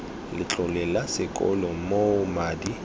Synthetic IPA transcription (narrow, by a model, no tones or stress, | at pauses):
lɪt͡ɬʼʊlɛlasɪkʼɔ̰lɔmomaːdi